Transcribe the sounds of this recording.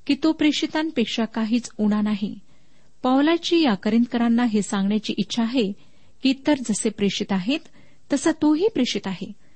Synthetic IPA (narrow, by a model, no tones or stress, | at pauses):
kiːt̪opɾekʂit̪ãnpekʂakaɦiːt͡suɽ̃anaɦi | pawlat͡ɕiːjakəɾint̪̚kəɾanːaɦesãŋɡɳjat͡ɕiːʔitːɕʰaːɦe | kiːt̪əɾd͡zəsepɾekʂit̪aɦet̪ː | əsət̪oɦiːpɾeʂit̪aɦe